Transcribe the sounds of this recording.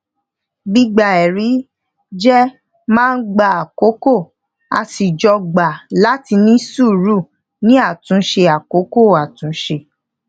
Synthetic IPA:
ɡ͡bi˦ɡ͡ba˨ɛ˨ɾi˨˦ | d͡ʒɛ˦ | mãː˦n̩˦ɡ͡ba˧˨a˨ko˨˦ko˦˨ | a̰˧si˨d͡ʒɔ˧ɡ͡ba˨la˦ti˧nĩ˦su˦˨ɾu˦˨ | nĩ˦a˦˨tũ˨˦ʃe˧a˨ko˨˦ko˦˨a˨tũ˨˦ʃe˧

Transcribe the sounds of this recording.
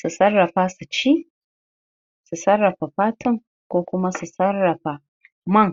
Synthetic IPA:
su˨sɐ˦rːɐ˨ɸaː˦su˨t͡ʃiː˦ | su˨sɐ˦rːɐ˨ɸa˨ɸaː˦tʊ˦ŋ | kʷoː˦kʷʊ˦ma˦su˨sɐ˦rːɐ˨ɸa˨ | mɐ˦ŋ

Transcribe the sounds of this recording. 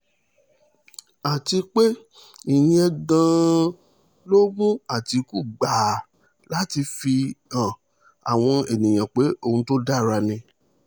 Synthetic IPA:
a˨ti˧k͡pe˦ | i˨jĩ˦ɛ˧ɡã˦˧ | lo˦mũ˦a˨ti˧ku˦ɡ͡ba˨ | la˨˦ti˧fi˧ã˨ | a̰˨w̃ɔ̃˧e˨nĩ˨j̃ã˨k͡pe˨˦o˦˨ũ˧˦to˦da˦˨ɾa˧nĩ˧

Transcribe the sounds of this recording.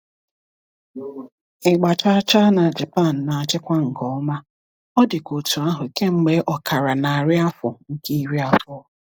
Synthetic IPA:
ɪ˨ɡ͡ba˨t͡ʃa˦t͡ʃa˦na˨d͡ʒe˨pa˦˨n̩˨na˨a˨t͡ʃɪ˦kʷa˦ŋ̩˨kɔ˨˦ma˦ | ɔ˦dɪ˨ko˨tu˨a˦ɦʊ˨i˨ke˦ŋ͡m̩˦ɡ͡be˦ʔɔ˨kʰa˨ɾa˨na˨ɾɪ˦a˦fʊ˨ŋ̩˦ke˦i˦ɾi˦a˨tʊ˦˨

